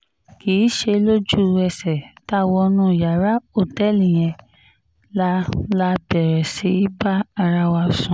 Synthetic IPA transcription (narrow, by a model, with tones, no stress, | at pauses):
kiː˨˦ʃe˧lo˦d͡ʒu˦ɛ˧sɛ˨ta˦˧˨wɔ˧nũ˦˨ja˨ɾa˦o˦˨tɛ˦˨lĩ˨j̃ɛ̃˧ | la˦la˦˧bɛ˨ɾɛ˨si˨˦i˦ba˦a˧ɾa˧wa˧˨sũ˨